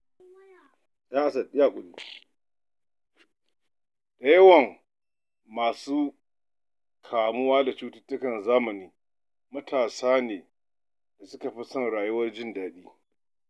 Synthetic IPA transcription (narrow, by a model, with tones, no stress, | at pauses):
ɗaː˦ʔa˨sɐ˨ɪ˦jaː˦˨kʷʼʊ˨nː˦˨ | ɗɐ˦jɐ˦wɐ˨ŋ | maː˨suː˦ | kʰaː˨mʊ˦waː˦da˨t͡ʃuː˦tɪ˦tːʊ˦kɐ˨nzaː˦mɐ˨niː˦ | mɐ˦tʰaː˨saː˦neː˨ | da˨sʊ˦ka˨ɸi˦sɐ˦˨ŋɽaː˨jʊ˦wɐ˦rd͡ʒɪ˦ndaː˨ɗiː˦